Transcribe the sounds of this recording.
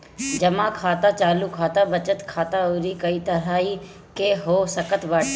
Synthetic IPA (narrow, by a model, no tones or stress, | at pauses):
d͡ʒɐmãkʰaːt̪at͡ʃaːlukʰaːt̪abɐt͡ʃət̪kʰaːt̪aoɾikɐit̪ɐɾaːi | keɦoːsəkət̪baːʈː